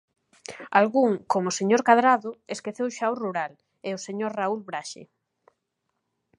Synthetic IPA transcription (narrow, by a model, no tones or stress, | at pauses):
alɣuŋkomoseɲoɾkaðɾaðʊeskeθewʃaoruɾal | eoseɲoɾraulβɾaʃḛ